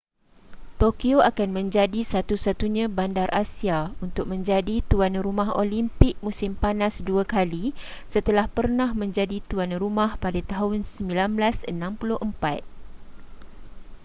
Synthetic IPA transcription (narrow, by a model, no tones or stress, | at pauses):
t̪okioakanmə̃ɲd͡ʒadisat̪usat̪uɲãbandarʔasiaunt̪ʊk̚mə̃ɲd͡ʒadit̪uanrumãɦolimpɪk̚mũsɪmpanãsduakalisət̪əlahpərnãhmə̃ɲd͡ʒadit̪uanɾumãhpadat̪aɦʊnsəmbilanblasənãmpulʊhʔəmpat̪̚